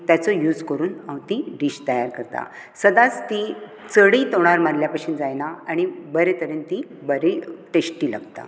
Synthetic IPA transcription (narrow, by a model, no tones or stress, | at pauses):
t̪jat͡sɔjuːd͡zkəɾuːnãwt̪iɾiːɕt̪əjaɾkəɾt̪a̰ | səd̪at͡st̪i | t͡səɽiːt̪oɽ̃aɾmaɾljapaɕuːnd͡zajnaaɽ̃ibəɾet̪əɾənt̪i | bəɾeʈesʈiːla̰ɡt̪a̰